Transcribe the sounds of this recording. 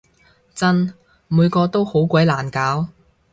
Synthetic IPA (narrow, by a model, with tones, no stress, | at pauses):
t͡sɐ˥n | muː˨˧jkɔː˧t̪o˥who˨˥wkʷɐ˨˥jlaː˨˩nkaː˨˥w